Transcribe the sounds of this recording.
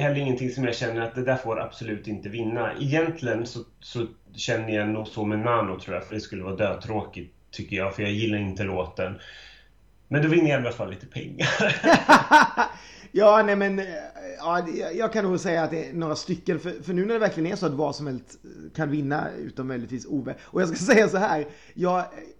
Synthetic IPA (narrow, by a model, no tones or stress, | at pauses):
hɛlːɾɪŋːənt̪ʰɪŋsɔmjaɕɛnːəɾat̪̚d̪ɛd̪æːfoːɾa̰b̥sɔlʉ̟ːt̪ɪnt̪əvɪnːa̰ʔɛjɛnt̪ʰlɪɡənsɔsɔ | ɕɛnːəjanuːɡsɔmɛnanːʊt̪ʰɾuːja̰fœɖɛskɵlːəvɑːd̪øːd̪̚t̪ʰɾoːkɪ | t̪ʰːʏkːəjɑːɡfœɾjɑjɪlːaɾɪnt̪əloːt̪ːən | mɛnd̪ɔvɪnəɾjalalafalːiːt̪ə̥pʰɛ̰ŋːaɾ | jɑːnɛmɛnɑːjjɑːɡkʰanːuːɡsɛjːaːt̪̚d̪ɛːnoːɾast̪ʏkːənfœɾfœɳʉ̟ːnæɖɛvæɾklɪɡənæsɔat̪vasɔmhɛlst̪kʰand̪ʉvɪnːa̰ʉ̰ːt̪əɔmœjlɪɡ̚t̪viːsuːvɛːɔjɑːskasɛjːasɔɦæːɾ | jɑːɡ